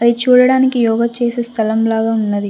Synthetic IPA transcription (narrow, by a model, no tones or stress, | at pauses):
ɐd̪it͡ʃuːɽɐɽaːnikijɔːɡɐt͡ʃe̞ːseːst̪ʰɐlɐmlaːɡaːunːɐd̪i